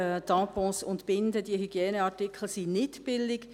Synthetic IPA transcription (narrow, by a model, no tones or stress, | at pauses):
t̪ɑ̃ːpɔ̃sʊntb̥ɪndəd̥iəhyɡ̥jɛːnəɑɹtɪkʰl̩sinɪtb̥ɪldɪɡ